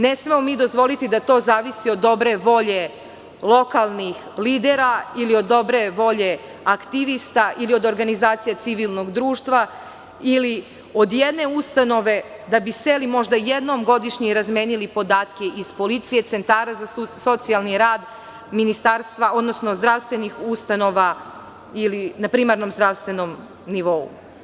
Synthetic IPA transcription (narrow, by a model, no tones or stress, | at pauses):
ne̞smemomid̪o̞zʋo̞lit̪id̪at̪o̞ːzaːʋisio̞d̪ːo̞bɾe̞ʋo̞ʎe̞ | lˠo̞kalˠnix | liːd̪eɾailiod̪ːo̞bɾe̞ʋo̞ʎe̞ | akt̪iʋist̪aʔilio̞d̪o̞ɾɡanizaːt̪sijat̪siʋilˠno̞ɡd̪ɾuːʃt̪ʋa | ili | o̞d̪jed̪ne̞ust̪ano̞ʋe̞d̪abiselimo̞ʒd̪aje̞d̪no̞mɡo̞d̪iʃɲiɾazmʲjeːnilipo̞d̪aːt̪keʔizpo̞lit̪sije̞t̪se̞nt̪aːɾazaso̞t̪sialˠniɾaːd̪ | minist̪aːɾst̪ʋaʔo̞d̪no̞sno̞zd̪ɾaʋst̪ʋe̞nixust̪ano̞ʋa | ilinapɾimaɾno̞mzd̪ɾaʋst̪ʋe̞no̞m | niʋo̞ṵ